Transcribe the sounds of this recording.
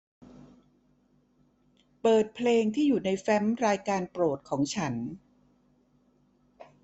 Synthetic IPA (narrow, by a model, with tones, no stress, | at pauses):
pɤː˨˩t̪̚pʰleː˧ŋt̪ʰiː˥˩juː˨˩na˧jfɛ˦˥mɾaː˧jkaː˧npɾoː˨˩t̪̚kʰɔː˩˦ŋt͡ɕʰa˦˥n